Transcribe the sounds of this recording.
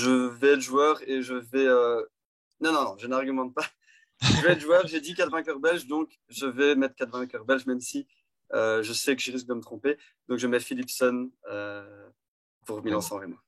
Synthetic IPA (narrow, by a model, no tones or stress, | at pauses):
ʒəvɛːt̪ʒwœːʁeʒəvɛø | nɔ̃nɔ̃nɔ̃ʒənaʁɡymɑ̃t̪̚pa | ʒəvɛːt̪ʒuœʁʒed̪ikat̪vɛ̃kʲœʁbɛlʃd̪ɔ̃k | ʒəvɛmɛt̪χəkat̪vɛ̃kœʁbɛlʃmɛmsi | øʒəsɛkəʒəʁis̬k̚d̪əmət̪χɔ̃pe | d̪ɔ̃kʒəmɛfilipsɔnø | puʁmilɑ̃sɑ̃ʁemɔ̃